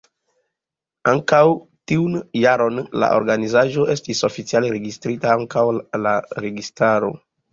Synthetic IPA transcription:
aŋkawtiunjaɾo̞nla̰ʔo̞̰ɾɡanizaʒo̞ʔe̞stiso̞fit͡sialeɾe̞ɡistɾitaaŋkawlaɾe̞ɡistaɾo̞̰

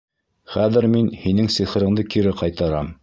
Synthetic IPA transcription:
χæðɘ̆ɾminhinɘŋsiχɤ̆ɾɤ̆ɴd̪ɤkiɾɘqɑjt̪ɑɾɑm

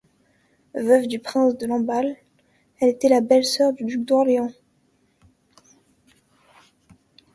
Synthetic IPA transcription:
vœvd̪ypχɛ̃sd̪əlɑ̃bal | ɛlet̪ɛlabɛlsœʁd̪yd̪yk̚d̪ɔʁleɑ̃

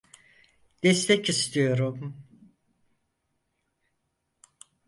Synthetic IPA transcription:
d̪̥ɛst̪ʰɛcist̪ʰijo̞ɾum

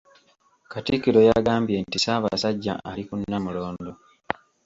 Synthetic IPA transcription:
katikːiɾo̞jaɡaːmbje̞ntisaːβa̰saɟːa̰ʔalikunːamulo̞ːndo̞

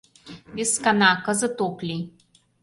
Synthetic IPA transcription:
iskanakɐzət̪oklʲi

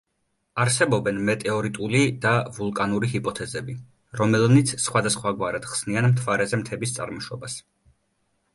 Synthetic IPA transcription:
aɾsɛbɔbɛnmɛt̪ʼɛɔɾit̪ʼulid̪avulˠkʼanuɾiɦipʼɔt̪ʰɛzɛbi | ɾɔmɛlnit̪sʰsχwad̪asχwaɡwaɾad̪̥χsnianmt̪ʰvaɾɛzɛmt̪ʰɛbist̪sʼa̰ɾmɔʃɔbas

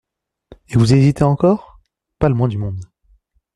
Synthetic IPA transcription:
evuzezit̪eɑ̃kɔːʁ | paləmwɛ̃d̪ymɔ̃d̪

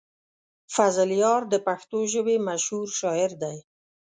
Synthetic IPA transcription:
fazɪljɑɾd̪əpaxt̪oʒəbemaʃhuɾʃɑjɪɾd̪aj

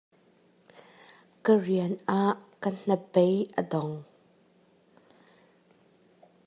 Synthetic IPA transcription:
kəriənʔaʔkən̥əpejʔədɔŋ

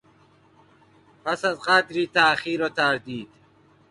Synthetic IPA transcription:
pʰæsæzɢæd̪ɾiːt̪ʰæχiːɾɒːt̪ʰæɾd̪iːd̪̥

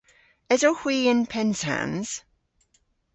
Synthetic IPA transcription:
ɛzohwiːɪ̃npʰɛnza̰nz̥

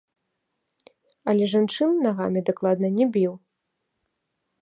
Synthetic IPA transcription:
ɐlʲɛʐant͡ʂɨnnaɣa̰mʲid̪aklˠad̪̚nɐnʲɛbʲiw

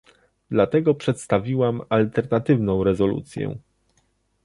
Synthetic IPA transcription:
d̪lat̪ɛɡɔpʂɛt̪st̪avʲiwamalt̪ɛɾnat̪ɘvnɔ̃w̃ɾɛzɔlṵt̪sʲjɛ̰

